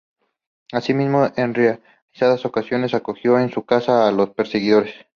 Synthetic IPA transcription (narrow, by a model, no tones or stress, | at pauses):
asimizmo̞ʔenrea | lisaðaso̞kasjo̞ne̞sako̞xjo̞e̞nsukasaːlo̞spe̞ɾse̞ɣiðo̞ɾe̞s